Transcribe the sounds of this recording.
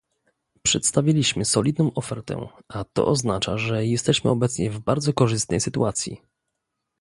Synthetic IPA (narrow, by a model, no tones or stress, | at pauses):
pʂɛt̪st̪avʲjilʲiɕmɘsɔlʲid̪nɔ̃w̃ʔɔfɛɾt̪ɛ̰ʔat̪ɔ̰ʔɔznat͡ʂa̰ʐɛjɛst̪ɛɕmɘ̰ɔbɛt̪sɲɛvbaɾd̪zɔkɔʐɘst̪nɛjsɘt̪uʔat̪sʲjḭ